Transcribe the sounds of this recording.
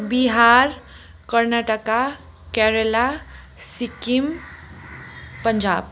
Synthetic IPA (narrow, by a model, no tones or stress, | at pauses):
biɦaɾ | kəɾnaʈəka | kɛɾela | sikim | pənd͡ʒa̰b